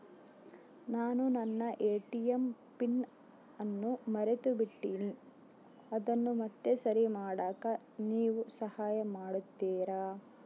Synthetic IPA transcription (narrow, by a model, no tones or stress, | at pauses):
naːnunɐnːɐʔeːʈijempiɳ | ɐnːumɐɾet̪ubiʈːiːni | ɐd̪ɐnːumɐt̪ːesɐɾimaːɽaːkɐ | niːʋusɐhaːjɐmaːɽut̪ːiːɾaː